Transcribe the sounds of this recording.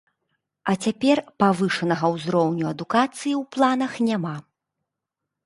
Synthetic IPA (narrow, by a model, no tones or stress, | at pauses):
ɐt͡sʲapʲɛrpavɨʂɐnɐɣɐwzɾɔwnʲuɐd̪ukat̪sɨjiwplˠan̪ɐxnʲama